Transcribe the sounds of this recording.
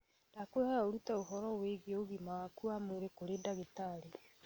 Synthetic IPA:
dakwehaaoɾutaoɦɔɾɔweɣeoɣimawakuamoɾekoɾedaɣetaɾe

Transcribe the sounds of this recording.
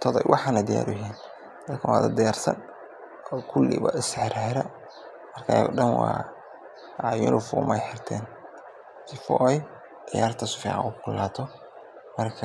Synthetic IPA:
t̪ʰɔðɛjwʔɑħɑnɐd̪ija̰ːɾʊɦiːn | d̪̥ɐd̪kʰɐwaːd̪ɐd̪ɪjaːrsɐ̰n | ɔːkʰʊlːɪ̰βɐʔɪsħɪɾaɪɾɐ | mɐrkʰaɖɐnwɑ̰ː | jʊ̰nʊfʊ̰mɛjħɪrt̪ʰɛːn | sɪfɔ̰ʔɛj | d̪ɪjaːrt̪ʰɐsʊ̥fiʕɑ̰ʊkʰʊlːaːt̪ʰɔ | mɐrkʰɐ

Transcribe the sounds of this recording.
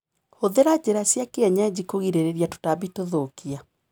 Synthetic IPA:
hoðeɾad͡ʑeɾasjakeɛɲad͡ʑikoɣiɾeɾeɾiato̥tabitoðokia

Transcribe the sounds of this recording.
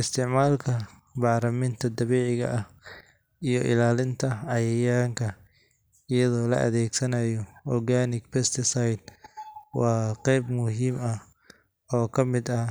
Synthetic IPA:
ɪst̪ʰɪʕmaːlkʰɐ | bɑːɾɐmɪnt̪ʰɐd̪ɐβɛːʕɪɣɐ̰ʔɐh | ijɔʔɪ̰laːlɪnt̪ʰɐɑjɐjaːŋkʰɐ | ɪjɐðɔːlɐ̰ʔɐ̰ðɛːɡsɐnɐjɔɔrɡaːnɪɡpɛst̪ʰɪsɐjd̪̚wɑːqɛjbmʊɦiːmɐ | ɔːkʰɐmɪd̪ɐ

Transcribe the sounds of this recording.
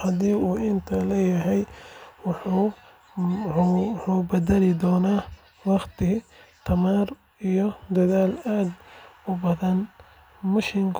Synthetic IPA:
hɐd̪iːuːʔɪnt̪ʰɐlɛːjɐɦɛjwɑħuː | uħuːbɐd̪ɐlɪd̪ɔːnaː | wɑqt̪ʰɪt̪ʰɐmaːr | ijɔd̪ɐðaːlaːd̪ʊbɐðɐn | mʊʃɪŋkʰ

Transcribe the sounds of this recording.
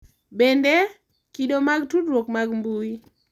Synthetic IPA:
bende | kidomaɡtudɾwokmaɡmbui

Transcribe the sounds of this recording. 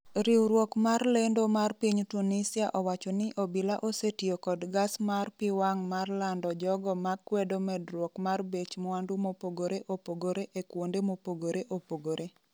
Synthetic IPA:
ɾiwɾwɔkmarlendomarpiɲtunisiaʔɔwat͡ʃɔnɪʔobilaʔosetijokɔdɡasmarpɪwaŋmarlandɔd͡ʒɔɡɔmakːwɛdomɛdɾwɔkmarbet͡ʃmɔandumopoɡoɾeʔopoɡoɾeʔekwondemopoɡoɾeʔopoɡoɾʔe

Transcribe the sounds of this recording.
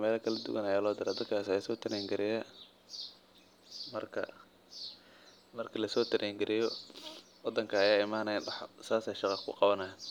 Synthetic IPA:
mɛːlɐkʰɐlɐd̪ʊ̰ɡɐnɐjaːlɔːd̪ɪɾɛd̪ɐt̪̚kʰaːsɐjasɔːt̪ʰɪɾɛŋɡɪɾɪjɛ | mɐrkʰɐ̰ | mɐrkʰɐlɐsɔːt̪ʰɪɾʔɛŋɡɪɾʔɪjɔ | wɑd̪ːɐŋkʰɐɐjaːɪmaːnɐjɐħsaːsɛjʃɑqɑkʰʊqɑβɐnɐɦɛn

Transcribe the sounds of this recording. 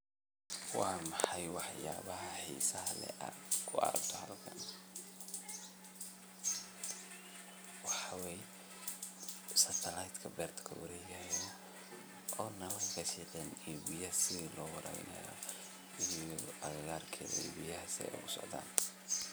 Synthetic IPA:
wɑːmɑħɑjwɑħjaːβɐɦɐħḭːsɐɦɐlɛ̰ʔaːdkʰʊɐ̰ɾɐ̰b̚t̪ʰɔhɐlkʰɐ̰n | wɑħɑwɛj | sɐt̪ʰɐlajt̪kʰɐbɛːrt̪ʰkʰɐwɐɾɛjɣɐhjan | ʔɔːnɐlɐŋkʰɐsiːʔɛnɛjbɪjɐsɪðiːlɔːwɐɾɐ̰ːwɪ̰nɐ̰jɔ̰ | ijɔʔɐɣɐɣaːrkʰɛlɛ̰ːbɪjɐɦɐsɛ̰jʔʊ̰ɣʊsɔ̰ʕd̪a̰ːn

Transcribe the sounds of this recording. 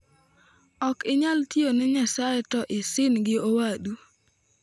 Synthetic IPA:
ɔkɪɲaltjonɪɲasaɛtɔʔɪsɪnɡɪowaɗu

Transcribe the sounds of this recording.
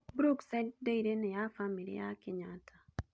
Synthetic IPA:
bɾuksɛtdeiɾenɛjafamilḭja̰kɪɲatʰa

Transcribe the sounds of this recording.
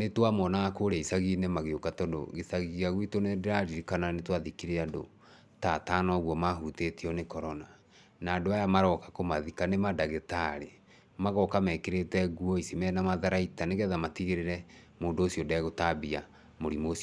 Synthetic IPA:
netwamɔnakoɾeisaɣiːnɛmaɣeokatɔdo̰ɣesaɣiɣaɣwitonedeɾaɾiɾikananetwaðikiɾeado̰ | tatanɔɣwɔmaɦuteteɔnekɔɾɔna | naːdoajamaɾɔkḁkomaðikanemadaɣetaɾe | maɣɔkamɛkeɾetɛɣwɔisemɛnamaðaɾaitaneɣɛðamatiɣeɾeɾɛ | moːndoːsiɔdɛɣotabia | moɾimoːsiɔ

